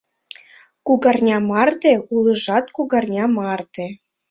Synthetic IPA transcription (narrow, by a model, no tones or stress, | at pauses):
kuɣɑrnʲɑmɑrt̪eulˠɤ̆ʒɑt̪kuɣɑrnʲɑmɑrt̪e